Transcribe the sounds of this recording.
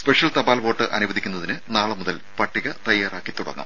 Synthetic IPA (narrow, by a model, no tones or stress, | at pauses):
speʂjɐlt̪ɐbaːlʋo̞ːʈːɨʔɐnuʋɐðikʲːunːɐðinɨnaːɭɨmuðɐlpɐʈːiɣɐt̪ɐjːaːraːkːit̪uɽɐ̰ŋːɐ̰m